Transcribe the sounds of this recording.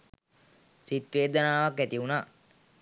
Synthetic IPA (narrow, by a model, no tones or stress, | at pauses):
sit̪ʋeːd̪ənaːʋakːæt̪iunaː